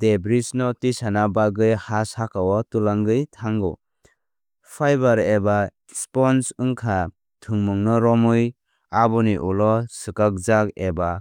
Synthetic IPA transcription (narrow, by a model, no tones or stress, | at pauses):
debɾisnɔtisanabaɡɯjhasakawɔtulaŋɡɯjtʰaŋɡɔ̰ | pʰajbaɾeba | spɔnsɯŋkʰa | tʰɯŋmɯŋnɔɾɔmɯj | abɔniʔulɔsɯkak̚zakeba